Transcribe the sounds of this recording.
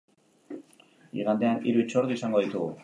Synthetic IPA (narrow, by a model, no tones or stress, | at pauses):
ḭɣand̪e̞aniɾuit͡ʃo̞ɾd̪uisaŋɡo̞ðit̪uɣu